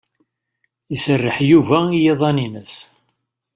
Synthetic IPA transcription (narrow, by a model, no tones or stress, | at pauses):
əsərːəħjuvæijeðˤɑninəs